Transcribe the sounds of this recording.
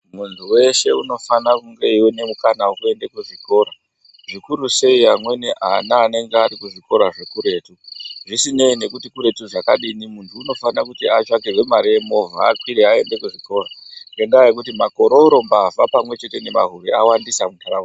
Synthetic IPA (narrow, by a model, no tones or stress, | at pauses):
muntʰuwe̞ʃe̞uno̞fanakuŋɡe̞iwine̞mukanawokue̞ndekuʐiko̞ːɾa | ʐikuɾuse̞iamwe̞neʔa̰naːne̞ŋɡeaɾikuʐiko̞ɾaʐe̞kuɾe̞ːtuʐisine̞ine̞kutikuɾe̞tuʐakaɗinimuntʰuːno̞fanakutiat͡ʃakewe̞maɾijemo̞va̰ːkwiɾeae̞nde̞kuʐiko̞ːraŋɡeŋɡajekutimako̞ɾouɾo̞mbavapamwe̞t͡ʃe̞te̞ne̞ma̰ɦuɾeawandisamutʰaɾa